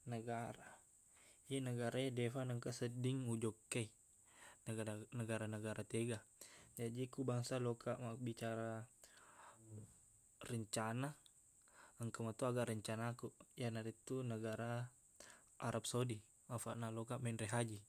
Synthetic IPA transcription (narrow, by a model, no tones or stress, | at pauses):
nəɡaɾa | jenəɡaɾaɛdɛfanəŋkasədiŋud͡ʒɔkːɛi | nəɡaɾanəɡaɾat̪eɡad͡ʒadikubaŋsalɔkʰaʔmabit͡ʃaɾa | rəɲt͡ʃana | əŋkamat̪uaɡaʔɾəɲt͡ʃanakujanaɾit̪unəɡaɾa | aɾap̚soudi | afaʔnalɔkaʔmɛnrɛɦad͡ʒi